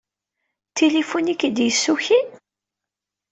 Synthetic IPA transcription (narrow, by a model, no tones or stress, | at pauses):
t̪ʰilifunikːid̪jəsːuçi